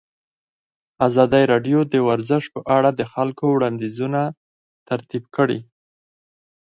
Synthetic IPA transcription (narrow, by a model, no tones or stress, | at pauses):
azɑd̪əjɾɑɖjod̪əwaɾzəʃpəʔaɽad̪əxalkowɽɑnd̪izuna | t̪aɾt̪ibkəɽḭ